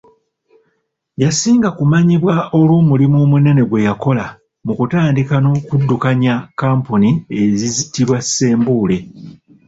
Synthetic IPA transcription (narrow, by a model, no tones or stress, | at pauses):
jasiːŋɡakumaɲiβwao̞lwoːmulimo̞ːmune̞ne̞ɡwe̞jako̞la | mukutaːndikano̞ːkudːukaɲakaːmpunie̞zizitiβwasːe̞ːmbuːle̞